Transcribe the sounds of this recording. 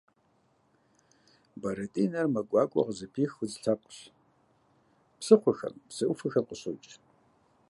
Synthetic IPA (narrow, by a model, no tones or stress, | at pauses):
bɐɾɐtʼinɐrmɐkʷʼɑːkʷʼɔ̰ʁzɨpʰiːxʊzɬʰap̚ʷʼɕ | psɨχʷʊxɐ̰mpsɨʔufɨxɐrqəɕot͡ʃʼ